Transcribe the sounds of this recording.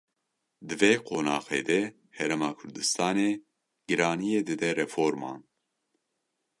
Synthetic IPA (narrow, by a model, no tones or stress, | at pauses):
d̪ɨveːqʰoːnɑːxḛːd̪ɛ | hɛɾemɑːkʰʊɾd̪ɨst̪ɑːneː | ɡɨɾɑːnijeːd̪ɨd̪ɛɾɛfoːɾmɑ̰ːn